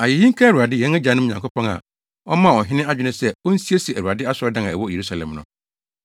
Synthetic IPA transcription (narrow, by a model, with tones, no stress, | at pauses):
a˨je˨jĩ˦ŋ̩˦kʰa˦æ˨ɾu˨a˨dɪ˦jɛ̃˨˦ɛ˦d͡ʑã˨nʊ̃˦˨ɲ˨ã˨kʰo˦pʰɔ̃˦ŋa̰˨ | ɔ˦mã˦˨ɔ˨ɦɪ˦nɪ̃˦a˦d͡ʑᶣɪ˦nɪ̃˦sɛ˦ɔ˦n̩˦si˦e˦si˨æ˨a˨dɪ˦a˦sɔ˦ɾdã˦ŋã˨ɛ˨wɔ˦˨je˨ɾu˦sa˨lɛ̰̃˨mnʊ̰̃˨